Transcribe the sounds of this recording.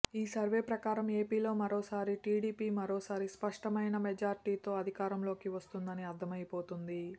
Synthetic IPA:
iːsɐɾʋeːpɾɐkaːɾɐme̞ːpiːlo̞ːmɐɾo̞ːsaːɾiʈiːɽiːpiːmɐɾo̞ːsaːɾispɐʂʈɐmɐjnɐmed͡ʒaːɾʈiːt̪o̞ːɐd̪ʱikaːɾɐmlo̞ːkiʋɐst̪und̪ɐniɐɾd̪ʱɐmɐjpo̞ːt̪und̪i

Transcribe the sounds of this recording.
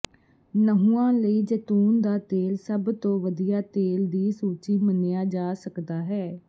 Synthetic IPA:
nəɦũːãːləiːd͡ʒət̪uːnd̪aːt̪eːlsəbt̪õːʋəd̪ijaːt̪eːld̪iːsuːt͡ʃiːmənejaːd͡ʒaːsəkd̪aːɦɛː

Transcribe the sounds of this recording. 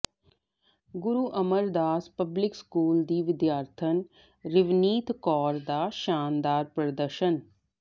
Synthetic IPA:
ɡʊɾuʔɐməɾd̪aːspəblɪkskuːld̪iːʋɪd̪jaːɾt̪ʰən | ɾɪʋniːt̪ʰkɔːɾd̪aːʃaːnd̪aːɾpɾəd̪əɾʃən

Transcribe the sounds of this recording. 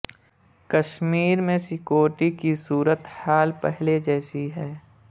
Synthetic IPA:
kəʃmiːɾmẽsɪkoːʈikisuːɾət̪haːlpɛɦled͡ʒɛːsiɦɛː

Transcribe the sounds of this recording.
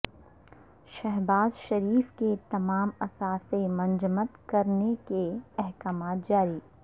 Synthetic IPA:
ʃɛɦbaːzʃɐɾiːfket̪ɐmaːmɐsaːsemɐ̃nd͡ʒmət̪kɐɾnekeɛɦkaːmaːt̪̚d͡ʒaːɾiː

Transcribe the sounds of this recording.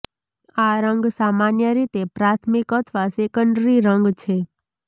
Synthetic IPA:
aɾə̃ŋɡsamanjəɾit̪epɾat̪ʰmikət̪ʰʋasekəɳɖɾiɾəŋɡt͡ʃʰe

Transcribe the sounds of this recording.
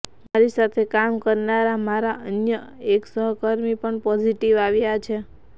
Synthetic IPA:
maɾisat̪ʰekamkəɾnaɾamaɾaʔənjəeksəɦkəɾmipəɳpɔd͡ʒiʈiʋaʋjat͡ʃʰe

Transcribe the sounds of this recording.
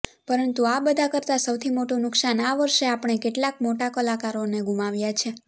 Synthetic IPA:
pəɾənt̪uabəd̪ʱakəɾt̪asəwt̪ʰimoʈunʊksanaʋəɾʃeapɳ̃ekeʈlakmoʈakəlakaɾoneɡumaʋjat͡ʃʰe

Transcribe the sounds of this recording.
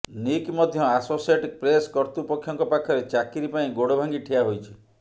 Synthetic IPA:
nikmɔd̪ʱjɔasosieʈik̚pɾeskɔɾt̪upɔkʰːjɔŋkɔpakʰːɔɾet͡ʃakiɾipaĩɡoɽɔbʱaŋɡiʈʰiaɦojt͡ʃʰi̥

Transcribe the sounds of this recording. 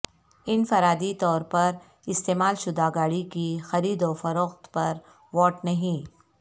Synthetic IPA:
ɪnfɐɾaːd̪it̪ɔːɾpɐɾ | ɪst̪eːmaːlʃʊd̪aɡaːɽikixɐɾiːd̪oːfɐɾoːxt̪pɐɾ | ʋɔːʈnɐɦĩː

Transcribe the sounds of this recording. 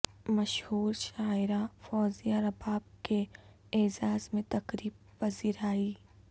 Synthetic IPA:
mɐʃhuːɾʃaːɪɾafɔːzijaɾɐbaːb̚ke | eːzaːzmẽt̪ɐkɾiːb | pɐziːɾaːi

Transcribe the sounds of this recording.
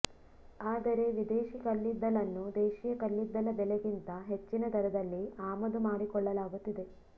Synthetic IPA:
aːd̪ɐɾe̞ʋid̪eːʃikɐlːid̪ːɐlɐnːud̪eːʃijɐkɐlːid̪ːɐlɐbɛleɡint̪ɐɦet͡ʃːinɐd̪ɐɾɐd̪ɐlːiaːmɐd̪umaːɽikɔɭːɐlaːɡut̪ːid̪e̞

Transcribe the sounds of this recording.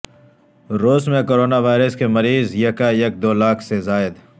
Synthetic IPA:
ɾoːzmẽkoːɾoːnaʋaːɪɾəskemɐɾiːzjɐkajek̚d̪oːlaːkʰsezaːɪd̪

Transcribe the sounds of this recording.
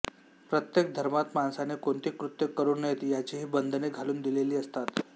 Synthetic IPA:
pɾət̪jek̚d̪ʱəɾmat̪mansanekoɳt̪iːkɾut̪jəkːəɾuːnəjet̪jat͡ɕeɦiːbənd̪ʱəneɡʱaluːnd̪ileliːəst̪at̪

